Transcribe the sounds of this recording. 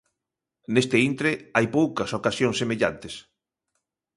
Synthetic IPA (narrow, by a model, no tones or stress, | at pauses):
nest̪eint̪ɾeajpowkɐsokasjoŋsemeʎa̰nt̪es